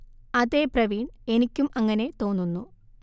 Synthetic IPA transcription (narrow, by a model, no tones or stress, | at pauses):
ɐðeːprɐʋiːɳe̞nikʲːumɐŋːɐne̞t̪o̞ːnːunːu